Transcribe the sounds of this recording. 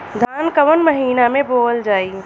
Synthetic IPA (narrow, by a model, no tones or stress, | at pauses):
d̪ʱaːnkəʋənməɦiːnamẽboːld͡ʒaːi